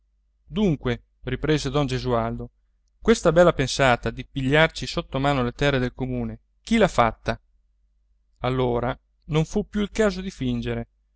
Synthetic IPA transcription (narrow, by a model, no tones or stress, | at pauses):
d̪uŋkwe | ripɾeːzed̪ɔnd͡ʒezuald̪o | kwest̪abɛlːapensaːt̪ad̪ipiʎːart͡ʃisot̪ːomaːnolet̪ɛrːed̪elkomuːne | k̟ilafat̪ːa | alːoːɾa | noɱfupːjuilkaːzod̪ifind͡ʒeɾe